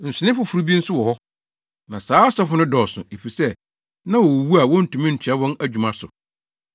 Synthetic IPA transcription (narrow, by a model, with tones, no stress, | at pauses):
n̩˨sɪ˨nɪ̃˦fʊ˨fu˨ɾu˦bi˦n̩˦sʊ˦wɔ˨hɔ˦ | nã˨saː˦sɔ˦fʊ˦nʊ̃˦dɔː˨sʊ̰̃˨e˨fi˨sɛ˦ | nã˦wɔ˨wwu˦a˨wɔ̃˦n̩˨tʰũ˨mɪ̃˦ɲ̩˨t͡ɕʰᶣa˦wɔ̃˦næ˦d͡ʑᶣu˨mã˦sʊ˨